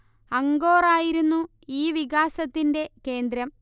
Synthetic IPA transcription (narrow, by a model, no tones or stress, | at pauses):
ɐŋɡo̞ːraːjiɾunːu | iːʋiɣaːsɐt̪ːinde̞ke̞ːnd̪ɾɐm